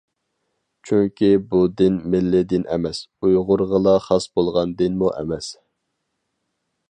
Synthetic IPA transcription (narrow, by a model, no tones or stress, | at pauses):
t͡ʃʰyŋkʲʰibud̪ɪnmɪlːɪd̪ɪnʔɛ̰mɛsujʁʊɾʁəlˠɑχɑsbolˠʁɑnd̪ɪnmuʔɛ̰mɛs